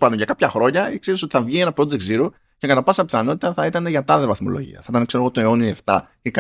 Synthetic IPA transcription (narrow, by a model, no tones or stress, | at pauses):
pɐnd̪o̞nʝɐkɐpçɐxɾo̞ɲɐekseɾiso̞t̪i̥θɐvʝienɐpɾo̞d͡zekt̪ziɾo | ce̞kɐt̪ɐpɐsɐpiθɐno̞t̪i̥t̪ɐθɐit̪ɐne̞ʝɐt̪ɐðevɐθmo̞̰lo̞̰ʝḭɐ̰θɐit̪ɐnekse̞ɾ̞ɣo̞t̪oe̞o̞nieft̪ɐ̰ | ik